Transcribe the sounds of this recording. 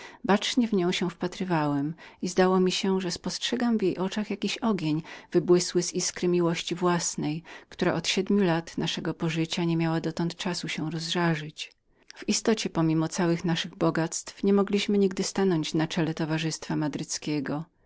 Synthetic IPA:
bat͡ʂɲɛvɲɔ̃w̃ɕɛw̃fpat̪ɾɘvawɛmizd̪awɔmʲiɕɛʐɛspɔstʂɛɡamvʲjejʔɔt͡ʂaxjakʲiɕɔɡʲjeɲv̥ɘbwɘswɘziskɾɘmʲiwɔɕt͡ɕivwasnɛjkt̪uɾa̰ʔɔt̪ɕɛd̪mʲulat̪naʂɛɡɔpɔʐɘt͡ɕaɲɛmʲjawad̪ɔt̪ɔnt̪t͡ʂasuɕɛw̃ɾɔzʐaʐɘt͡ɕ | v̥ist̪ɔt͡ɕɛpɔmʲimɔt̪sawɘxnaʂɘɣbɔɡat̪st̪fɲɛmɔɡlʲiɕmɘɲiɡd̪ɘst̪anɔɲt͡ɕnat͡ʂɛlɛt̪ɔvaʐɘst̪famad̪ɾɘt̪skʲɛɡɔ

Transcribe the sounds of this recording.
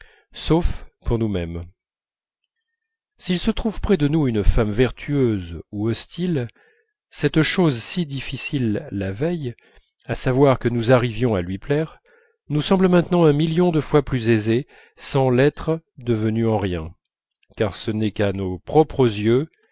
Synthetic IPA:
sofpuʁnumɛm | silsət̪χuvpχɛd̪ənuynfamvɛʁt̪ʰyøzuɔst̪il | sɛt̪ʃozsid̪ifisilːavɛj | asavwaʁkənuzaʁivjɔ̃alɥiplɛʁ | nusɑ̃bləmɛ̃t̪nɑ̃ɛ̃miljɔ̃d̪əfwaplyzeze | sɑ̃lɛt̪χəd̪əvənyɑ̃ʁjɛ̃ | kaʁsənɛkanopχɔpχəzjø

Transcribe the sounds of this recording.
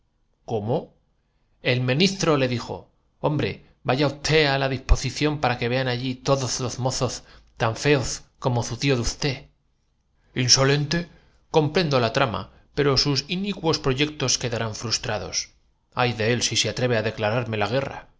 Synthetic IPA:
ko̞mo | e̞lmĩnist̪ɾo̞le̞ðixo̞̰ | o̞mbɾe̞ | baʝaust̪ʰe̞alaðispo̞siθjo̞mpaɾake̞βe̞anaʝit̪o̞ðo̞zlo̞zmo̞θo̞st̪aɱfe̞oθko̞mo̞θut̪ioðust̪e̞ | inso̞le̞nt̪e̞ | ko̞mpɾe̞nd̪o̞lat̪ɾama̰ | pe̞ɾo̞susinikwo̞spɾo̞ʝe̞k̚t̪o̞ske̞ðaɾaɱfɾust̪ɾaðo̞̰s | ajðe̞elsiseat̪ɾe̞β̞e̞aðe̞klaɾaɾme̞laɣ̞e̞ra̰

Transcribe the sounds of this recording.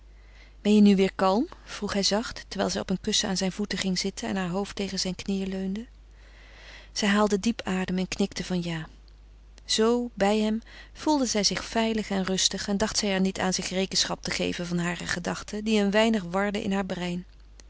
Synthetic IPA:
b̥ɛnjənyʋɪːɹkɑlˠmv̥ruχɦɛjzɑχtːəɹʋɛjlˠzɛjɔpənkɵsəa̰ːnzɛjnvutəχɪŋzɪtənɛ̰nɦaːɹɦowftːejχənzɛjnknijəløɥndə | z̥ɛjɦaːlˠdədipaːdəmɛnknɪktəvɑnjaː | z̥owbɛjɦɛmv̥ulˠdəzɛjzɪχfɛjləχɛnrɵstəχɛndɑχtsɛjɛɹnitʰa̰ːnzɪχrejkənsχɑp̚təχḛjvənvɑnɦaːrə̰χədɑχtədiənʋɛjnəχʋɑɹdəʔɪ̰nɦaːɹbrɛjn

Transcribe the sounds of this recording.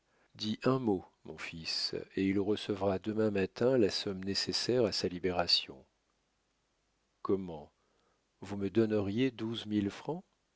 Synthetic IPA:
d̪iʔɛ̃momɔ̃fisḛilʁəsəvʁad̪əmɛ̃mat̪ɛ̃lasɔmnesesɛʁasalibeʁasjɔ̰̃ | kɔmɑ̃ | vuməd̪ɔnəʁjed̪uzmilfχɑ̃

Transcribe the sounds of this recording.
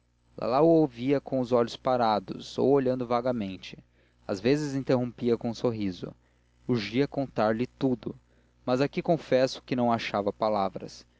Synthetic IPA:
lʔa̰lawʊoviɐkõw̃ʊzɔʎʊspaɾad̪ʊ̰zo̰woʎɐ̃nd̪ʊvaɡɐmẽnt͡ʃɪ | a̰zvezɪzĩnt̪eɦõmpiɐkõsoɦizʊ̰ | huʒiɐkõnt̪aɾlɪt̪ud̪ʊ | mazakikõfɛsʊ̥kɪnɐ̃w̃aʃavɐpalavɾɐ̰s

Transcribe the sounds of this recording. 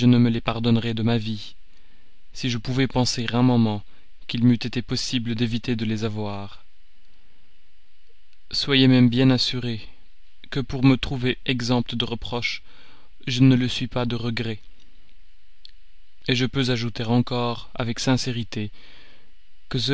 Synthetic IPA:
ʒənəməlepaʁd̪ɔnʁɛd̪əmavi | siʒəpuvɛpɑ̃seʁɛ̃mɔ̃mɑ̃ | kilmyt̪et̪epɔsibləd̪evit̪ed̪əlezavwaʁ | swajemɛmbjɛ̃nasyʁe | kəpuʁmət̪χuveɛɡzɑ̃p̚t̪əd̪əʁəpχɔʃ | ʒənələsɥipad̪əʁəɡʁɛ | eʒəpøzaʒut̪eʁɑ̃kɔʁa̰vɛksɛ̃seʁit̪e | kəs̬ə

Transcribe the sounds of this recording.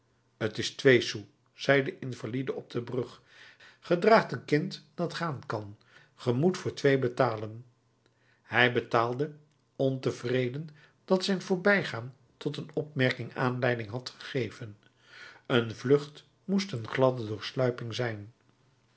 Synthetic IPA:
ətɪstʋejsu | z̥ɛjdəʔɪnv̥alidəɔb̚dəbrɵχ | χədraːχtənkɪntd̥ɑtχaːnkɑn | χəmutfʊːɹtʋejbətaːlən | hɛjbətaːlˠdə | ɔntəvrejdən | d̥ɑtsɛjnvʊːɹbɛjχaːn | tɔtənɔpmɛɹkɪŋa̰ːnlɛjdɪŋɦɑtχə̥χejv̥ən | ənvlɵχt | mustənχlɑdədʊːɹslœɥpɪŋzɛjn

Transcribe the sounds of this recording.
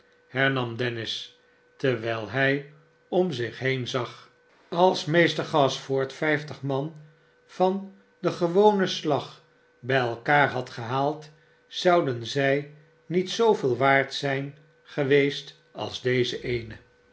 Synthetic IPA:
hɛɹnɑmdɛnɪs | təɹʋɛlˠɦɛj | ɔmzɪχɦejnzɑχ | ɑlˠsmejstəɹχɑsfʊːɹtfɛjftəχmɑn | fɑn | dəχəʋownəslɑχ | bɛjɛlˠkaːɹɦɑtχəɦaːlˠt | zɑwdənzɛj | nitsowvɪːlˠʋaːɹtsɛjn | χəʋejst | ɑ̰lˠzdejzəʔejnə

